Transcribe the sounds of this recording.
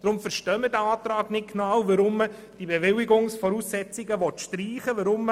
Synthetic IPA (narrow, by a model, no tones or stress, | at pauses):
d̥ɾʊmfəɾʃtœːmədæɑːtɾɑːɡnɪt̚knɑwʋəɾʊmːə | d̥ibɛʋɪlɪɡʊŋsfɔɾuːsːɛt͡sɪɡəʋɔt̪ʃtriːχəʋəɾʊmːə